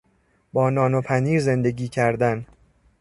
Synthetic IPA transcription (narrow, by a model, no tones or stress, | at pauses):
bɒːnɒːno̞pʰæniːɾze̞nd̪e̞ɟiːcʰæɾd̪æn